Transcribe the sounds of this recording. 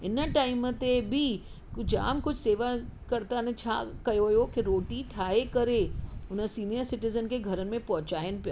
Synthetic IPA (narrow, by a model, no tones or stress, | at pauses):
ɪnəʈaːɪmt̪ebʱi | d͡ʒa̰ːmkʊd͡ʒʰʱseːʋakɐɾt̪anet͡ɕʰa̰kɐjojokiɾoːʈiʈʰaːekɐɾeʊnəsiːnijəɾsɪʈɪzənkeɡʱɐɾənmẽpɐɦʊt͡ɕaːɪn̆pijoː